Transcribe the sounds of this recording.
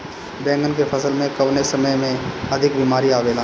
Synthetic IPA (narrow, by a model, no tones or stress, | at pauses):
bɛ̃ːŋɡənkepʰɐsəlmẽkɐʋnesɐməjmẽɐd̪ʱɪkbiːmaːɾiaːʋeːlə̃